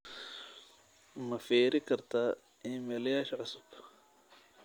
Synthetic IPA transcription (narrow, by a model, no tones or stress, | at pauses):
mɐfɛːɾɪkʰɐrt̪ʰaː | ɪmɛːlɐjaːʃɐʕʊsʊb̥